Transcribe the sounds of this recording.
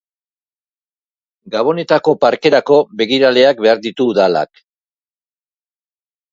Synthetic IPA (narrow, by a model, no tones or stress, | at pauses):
ɡaβ̞o̞ne̞t̪ako̞paɾke̞ɾako̞βe̞ɣiɾale̞ak̚be̞aɾd̪it̪uðala̰k